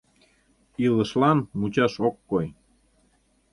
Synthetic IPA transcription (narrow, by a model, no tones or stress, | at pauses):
ilə̆ʃlɑnmut͡ɕɑʃokːoj